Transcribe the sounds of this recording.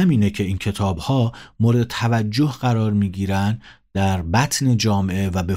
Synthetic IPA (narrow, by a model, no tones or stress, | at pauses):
æmiːnecʰe̞iːncʰe̞t̪ʰɒːbhɒːmoɾd̪et̪ʰævæd͡ʒːo̞hɢæɾɒːɾmiːɟiːɾænd̪d̪̥æɾbæt̪ʰne̞d͡ʒɒːmeʔe̞væbe